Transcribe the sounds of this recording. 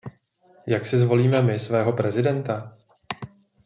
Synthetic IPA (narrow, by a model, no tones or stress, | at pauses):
jaksɪzvo̞liːmɛmɪsvɛːɦo̞pɾɛzɪdɛnt̪a